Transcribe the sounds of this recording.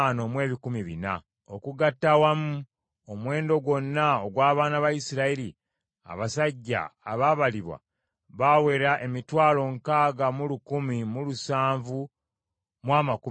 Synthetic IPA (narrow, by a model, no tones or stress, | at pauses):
no̞mwe̞ːβikumiβḭna̰ | okuɡatːawamu | omwe̞ːndo̞ɡwo̞nːaoɡwaːβaːnaβajisiɾaiɾi | a̰βasaɟːa̰ːβaːβaliβwa̰ | βawe̞ɾaʔemitwaːlo̞ŋkaːɡamulukumimulusaːɱvu | mwaːmaku